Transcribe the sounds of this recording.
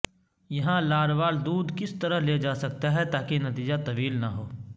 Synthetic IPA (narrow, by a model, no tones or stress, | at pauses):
jɐɦãlaːɾʋaːld̪uːd̪kɪst̪ɐɾəɦleːd͡ʒaːsɐk̚t̪aɦɛt̪aːkenɐt̪iːd͡ʒat̪ɐʋiːlnɐɦoː